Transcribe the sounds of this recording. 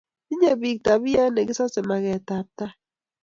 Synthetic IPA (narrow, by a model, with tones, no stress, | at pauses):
i˦ɲe˦˨bi˨k̚ta˨bi˦ja˦ne˨ɡi˦sɔ˦sɛ˨ma˨kɛ˨ta˨p̚ta˦